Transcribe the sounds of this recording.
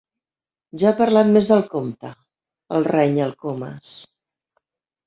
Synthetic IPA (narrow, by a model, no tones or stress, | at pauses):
ʒaːpəɾlat̪mezðəlˠkomt̪ə | əlˠrɛɲəlˠkomə̰s